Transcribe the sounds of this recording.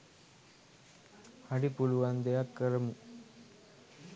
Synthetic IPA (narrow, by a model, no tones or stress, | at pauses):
hɐɖipuɭuʋand̪ejakːɐɾɐmu